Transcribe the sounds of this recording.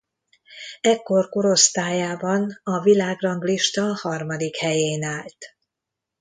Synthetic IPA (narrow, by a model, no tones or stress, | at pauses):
ɛkːo̞rko̞ɾo̞st̪aːjaːbɒnɒvilaːɡrɒŋɡliʃt̪ɒhɒrmɒd̪ikhɛjeːnaːlt̪